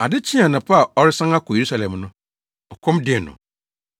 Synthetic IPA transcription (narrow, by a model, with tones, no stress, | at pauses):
a˨dɪ˦t͡ɕʰĩ˦ã˨nã˨pʰa˦˨ɔ˦ɾɪ˦sã˦ŋa˦kʰʊ˨je˨ɾu˦sa˨lɛ̃˨mnʊ̃˦ | ɔ˨kʰɔ̃˦mdɪ˦˨nʊ̰̃˨